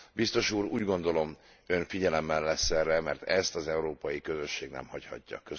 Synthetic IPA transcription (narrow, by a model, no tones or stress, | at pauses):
bist̪o̞ʃuːɾuːɟɡo̞nd̪o̞lo̞m | øɱfiɟɛlɛmːɛlːɛsːɛrɛmɛ̰rt̪ɛst̪ɒzɛuɾoːpɒjikø̞zø̞ʃːeːɡnɛ̰mhɒchɒ̰cːɒ̰kø